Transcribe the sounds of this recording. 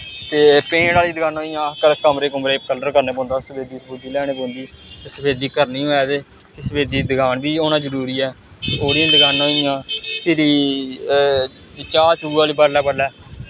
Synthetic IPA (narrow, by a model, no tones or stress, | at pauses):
t̪eːpẽːɽaːliːd̪əɡaːnoːijãːkəɾkəmɾeːkʊmɾeːkələɾkəɾneːbõːnd̪aːsəpʰeːd̪iːsbʊd̪iːlɛːɽ̃eːbõːnd̪iː | t̪eːsəpʰeːd̪iːkəɾnĩːɦoːɛːd̪eː | kesəpʰeːd̪iːd̪əɡaːnbiːoːnãːzəɾuːɾiːɛː | oːɾĩːd̪əɡaːnoːijãːpʰɪɾiː | t͡ʃaːt͡ʃuːaːliːbəlɛːbəɽlːɛː